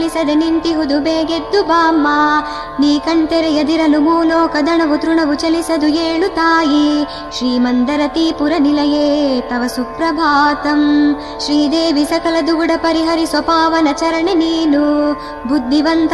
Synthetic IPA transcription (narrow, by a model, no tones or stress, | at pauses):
lisɐd̪enint̪iɦud̪ubeːɡed̪ːubaːmːa | niːkɐɳt̪eɾɛjɐd̪iɾɐlumuːloːkɐd̪ɐɳɐʋut̪ɾuɳɐʋut͡ʃɐlisɐd̪ueːɭut̪aːji | ʃɾiːmɐnd̪ɐɾɐt̪iːpuɾɐnilɐjeːt̪ɐʋɐsupɾɐbʱaːt̪ɐm | ʃɾiːd̪eːʋisɐkɐlɐd̪uɡɽɐpɐɾiɦɐɾisɔpaːʋɐnɐt͡ʃɐɾɐɳeniːnu | bʱud̪ʱːiʋɐnt̪